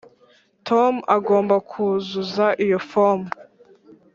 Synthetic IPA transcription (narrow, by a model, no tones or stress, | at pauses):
tʰomaɡo̞ːmbakʰuzuzaʔijo̞fom